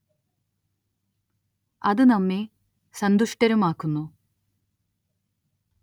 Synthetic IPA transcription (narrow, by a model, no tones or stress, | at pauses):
ɐðɨnɐmːe | sɐnd̪uʂʈɐɾumaːkːunːu